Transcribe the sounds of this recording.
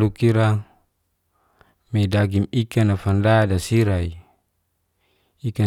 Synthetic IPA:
lukiɾa | medaɡimikanafandadasiɾai | ika

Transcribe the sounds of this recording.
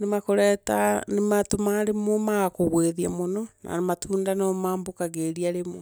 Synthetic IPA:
nemakoɾɛtanematomaɾemɔmaɣakoɣweðiamonɔna̰nematʰuːndanɔmaːmbokaɣeɾiaɾemɔ

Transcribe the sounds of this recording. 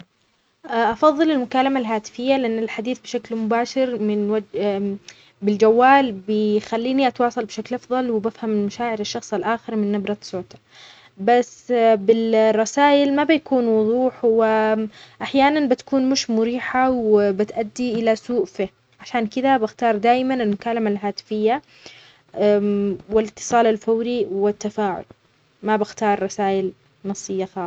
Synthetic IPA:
ʔʔɑfɑðˤːɨlɪlmʊkaːlamalɦaːt̪ɪ̥fɪjːalɪʔanːalħad̪iːθbɪʃaklmʊbaːʃɪɾmɪnwad͡ʒ | bɪld͡ʒawːaːlbɪxalːiːniʔɑt̪wɑːsˤɑlbɪʃaklʔɑfðˤɑlwɪbafhammaʃaːʕɪɾɪʃːɑxsˤalʔaːxɪɾmɪnːɪbɾˤɑt̪soːt̪ḁ | basːbɪlrˤːɑsaːʔɪlmabɪjakuːnwʊðˤuːħwɪʔaħjaːnanbɪt̪ḁkuːnmʊʃmʊɾiːħawɪbɪt̪ʔad̪ːiʔɪlasuːʔfi | ʕaʃaːnkɪd̪abɪxt̪ɑːɾˤd̪aːjmanɪlmʊkaːlamalɦaːt̪ɪ̥fɪjːa | wɪlɪt̪ːɨ̥sˤɑːlalfawɾiwɪt̪ːafaːʕʊ̰l | mabɪxt̪ɑːɾˤːɑsaːʔɪl | nɑsˤːɨjːaxɑːˤ

